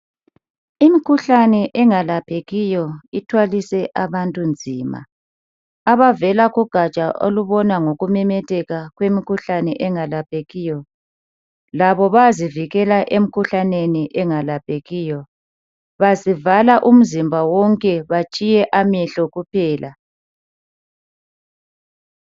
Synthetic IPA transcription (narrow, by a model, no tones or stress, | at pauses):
imikʰuɬanɛʔɛŋalapʰeɣijɔitʰwalisɛʔaβantʼund͡zʱiːma̰ | aβavɛlaɣuɡ̥ʱat͡ʃʼaʔo̰luβɔnaŋoɣumɛmɛtʰʼɛɣaɣwemikʰuɬanɛʔɛŋalapʰʼeɣiːjɔ | laβɔβaziviɣɛlaʔem̩kʰuɬaneniʔɛŋalap̚ʼeɣiːjɔ | βazivalaʔum̩zimbʱawɔŋkʼɛβat͡ʃʼijɛʔamɛɬɔɣupʰɛːla